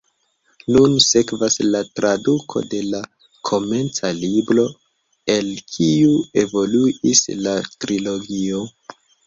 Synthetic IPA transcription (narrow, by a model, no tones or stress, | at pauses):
nunse̞kvaslatɾadukʰo̞̰de̞la | kʰo̞me̞nt͡salibɾo̞ | e̞lkʰiue̞vo̞luislatɾilo̞ɡio̞